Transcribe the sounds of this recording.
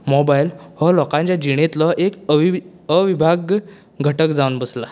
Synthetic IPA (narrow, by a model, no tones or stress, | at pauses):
mɔbailhɔlɔkãɲt͡ɕjad͡ʑiɽ̃et̪lɔʔek | əʋibʱaɡ | ɡʱəʈəkd͡zaunbəsla